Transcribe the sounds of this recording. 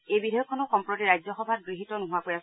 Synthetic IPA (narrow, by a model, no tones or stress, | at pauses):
ejbidʱɔjɔkʰːɔnɔkɔmpɹɔtiɹajd͡ʒjɔxɔbʱat̚ɡɹiɦitɔnuɦʊapoɹias